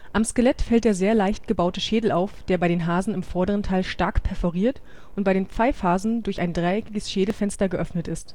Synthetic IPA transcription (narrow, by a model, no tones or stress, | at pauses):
ʔamskəlɛtfɛlt̚d̥eːɐzeːɐlaɪçt̚ɡ̥əbaʊtəʃeːdl̩aʊfd̥eːɐbaɪdeːnɦaːzn̩ɪmfɔɐdəʁəntʰaɪlʃtaɐkpʰɛɐfɔʁiːɐt | ʔʊnt̚b̥aɪɾeːnp͡faɪfaːzn̩dʊɐçaɪndʁaɪɛkɪɡəsʃeːdl̩fɛnstɐɡəʔœfnətɪst